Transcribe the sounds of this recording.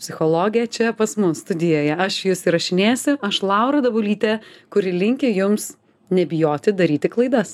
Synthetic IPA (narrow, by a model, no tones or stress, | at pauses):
pʲsʲɪxoːlˠoːɡʲɪjɛt͡ʃʲɛpɐsmʊsst̪ʊd̪ʲɪjoːjɛɐʃjʊsiɾɐʃʲɪnʲeːsʲʊɐʃlˠɐʊɾɐd̪ɐbʊlʲiːt̪ʲɛkʊɾʲɪlʲɪŋʲkʲɪjʊms | nʲɛbʲɪjoːt̪ʲɪd̪ɐɾʲiːt̪ʲɪklˠɐɪd̪ɐs